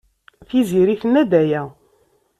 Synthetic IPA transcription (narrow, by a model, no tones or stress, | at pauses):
θiziɾiθnːæd̪æjæ